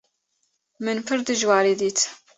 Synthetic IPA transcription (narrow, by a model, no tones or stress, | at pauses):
mənfəɾd̪əʒwaɾiðit͡s